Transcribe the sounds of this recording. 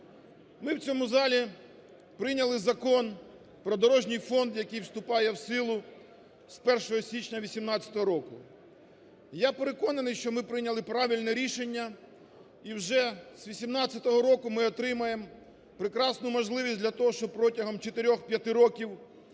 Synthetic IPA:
mɪwt͡sʲɔmʊzɑlʲi | pɾɪjnʲɐlˠɪzɐkɔn | pɾɔd̪ɔɾɔʒnʲɪjfɔnd̪jɐkɪjwst̪ʊpɑjɛwsɪlˠʊ | spɛrʃɔɦɔsʲit͡ʃnʲɐʋʲisʲimnɑt͡sʲɐ̥t̪ɔɦɔɾɔkʊ | japeɾekɔnɐnɪjʃt͡ʃɔmɪpɾɪnʲɐlˠɪpɾɑʋʲilʲnɛɾʲiʃe̞nʲːɐ | iwʒɛsʋʲisʲimnɑt͡sʲːɐt̪ɔɦɔɾɔkʊmɪɔt̪ɾɪmɐjem | pɾɪkɾɑsnʊmɔʒlˠɪʋʲisʲdʲlʲɐt̪ɔɦɔʃt͡ʃɔpɾɔtʲɐɦɔmt͡ʃet̪eɾʲɔxpʲjɐt̪ɪɾɔkʲiw

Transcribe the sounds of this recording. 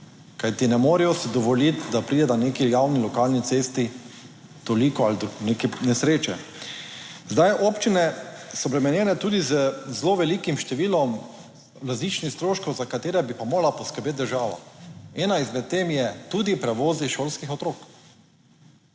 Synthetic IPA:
kajt̪inɛmoːɾɛjɔsid̪ɔʋɔlit̪d̪apɾid̪ɛd̪aneːkijawnilɔkalnit̪seːst̪i | t̪ɔlikɔald̪nekɛnɛsɾeːt͡ʃɛ | zd̪ajʔɔpt͡ʃinɛsɔpɾɛmɛnjɛːnɛt̪uːd̪izəzloːʋɛliːkimʃt̪ɛʋiːlɔm | ɾazliːt͡ʃnixst̪ɾoːʃkɔwzakat̪eːɾɛbipamoːɾlapɔskəɾbeːt̪̚d̪əɾʒaːʋa̰ɛːnaizmɛt̪̚tːeːmjɛt̪uːd̪ipɾɛʋoːziʃoːlskixɔt̪ɾoːk

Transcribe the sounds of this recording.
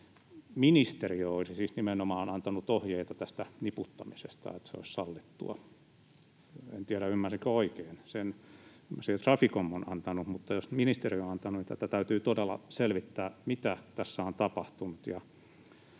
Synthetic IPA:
minist̪eriooisisiːsnimenomɑːnɑnt̪ɑnut̪ohjeit̪ɑt̪æst̪æniput̪ːɑmisest̪ɑ̰et̪seo̰issɑlːit̪ːṵɑ̰ | ḛnt̪iæɾæymːærsiŋkæoikeːnsen | ymːæsihet̪rɑfikomːonɑ̰nt̪ɑnumut̪ːɑjosminist̪erionɑnt̪ɑnunit̪æ̰t̪æt̪æyt̪yːt̪odelːɑ̰selʋit̪ːæːmit̪æt̪æsːæont̪ɑpɑht̪unut̪jɑ

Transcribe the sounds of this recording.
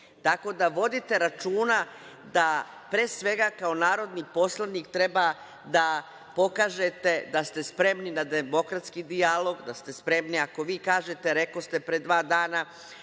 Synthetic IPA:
t̪ako̞d̪aʋo̞d̪it̪e̞ɾat͡ʃuːna | d̪a | pɾesʋe̞ɡakao̞naːɾo̞d̪nipo̞slˠaniːkt̪ɾe̞ba | d̪a | po̞kaːʒet̪e̞d̪ast̪e̞spɾe̞mninad̪emo̞kɾat̪skid̪ialo̞ɡd̪ast̪e̞spɾe̞mniako̞ʋiːkaːʒet̪e̞ɾe̞ko̞st̪e̞pɾe̞d̪ʋaːd̪aːna

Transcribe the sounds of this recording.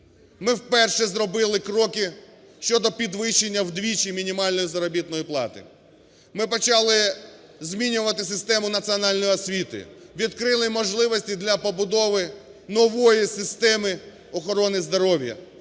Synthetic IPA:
mɪwpɛrʃɛzɾɔbɪlˠɪkɾɔkɪ | ʃt͡ʃɔd̪ɔpʲid̪ʋɪʃenʲːɐwd̪ʋʲit͡ʃimʲinʲimɑlʲnɔjizɐɾɔbʲit̪nɔjiplˠɑ̰t̪ɪ̰ | mɪpɔt͡ʃɑlˠɪ | zʲmʲinʲʊʋɐt̪ɪsɪst̪ɛmʊnɐt̪siɔnɑlʲnɔjɔsʲʋʲit̪ɪ̰ʋʲid̪kɾɪlˠɪmɔʒlˠɪʋɔsʲtʲid̪lʲɐpɔbʊd̪ɔʋɪnɔʋɔjisɪst̪ɛmɪ | ɔxɔɾɔnɪzd̪ɔɾɔʋʲjɐ̰

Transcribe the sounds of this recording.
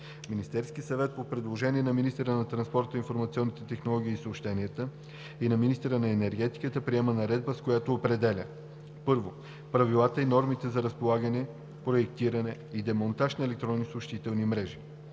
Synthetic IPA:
minist̪ɛɾskiəsɐvɛt̪̚popɾɛd̪lˠoʒɛniɛnɐminist̪ɛɾənɐt̪ɾɐnspɔɾt̪əinfoɾmɐt̪siɔnːit̪ɛt̪ɛxnolˠɔɡ̟ʲiiːsəopʃt̪ɛniət̪ə | inɐminist̪ɛɾənɐɛnɛɾɡɛt̪i̥kət̪əpɾiɛmənɐɾɛd̪̚bəskojat̪oːpɾɛd̪ɛlʲə̰ | pɤɾvo | pɾɐvilˠat̪əinɔɾmit̪ɛzɐɾɐspolˠaɡənɛ | pɾoɛk̚t̪iɾɐnɛid̪ɛmont̪aʃnɐɛlɛk̚t̪ɾɔnːisopʃt̪it̪ɛlˠnimɾɛʒi

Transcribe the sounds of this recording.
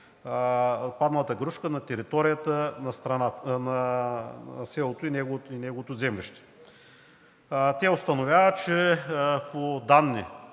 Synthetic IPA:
pad̪nɐlˠɐt̪əɡɾuʃkənɐt̪ɛɾit̪ɔɾijət̪ənɐst̪ɾɐnatnɐ | sɛlˠot̪oinɛɡoinɛɡovot̪ozɛmlʲiʃt̪ɛ̥ | t̪ʲɛʊst̪ɐnovʲavət͡ʃɛpʰod̪anːi

